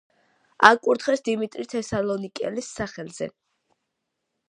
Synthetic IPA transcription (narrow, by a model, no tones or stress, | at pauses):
akʼuɾt̪χɛsd̪imit̪ʼɾit̪ʰɛsalɔnikʼɛ̰lisːaχɛlz̥ɛ̰